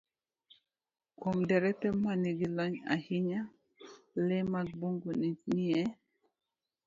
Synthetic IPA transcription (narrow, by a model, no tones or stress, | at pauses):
komdɛɾɛtɛmaniɡilaɲa̰hiɲa | lɛmak̚boŋɡonniɛ